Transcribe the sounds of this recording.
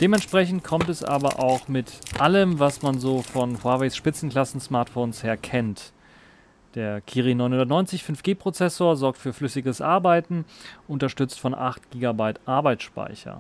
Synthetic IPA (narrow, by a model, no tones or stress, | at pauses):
d̥eːmɛntʃpʁ̥ɛçn̩t̚kʰɔmtɛsʔa̰ːbɐ̰ʔa̰ʊxmɪtʔaləmvasmanzoːfɔnhwaɐvesʃpɪt͡sn̩kl̥asn̩smaɐtfoːnsheːɐkʰɛnt | d̥eːɐkʰiːʁinɔʏnhʊndɐtnɔʏnt͡sɪçfʏnfɡ̥eːpʁ̥ot͡sɛsoːɐzɔɐk̚tfyːɐflʏsɪɡəsʔaɐbaɪtn̩ʔʊntɐʃtʏt͡stfɔnʔa̰χt̚ɡ̥iːɡabaɪtʔaɐbaɪt͡sʃpa̰ɪçɐ̰